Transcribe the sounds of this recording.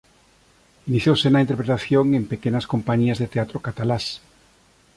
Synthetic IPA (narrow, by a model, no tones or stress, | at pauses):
iniθjowsenaint̪eɾpɾet̪aθjoŋempekenaskompaɲiazðet̪eat̪ɾokat̪alas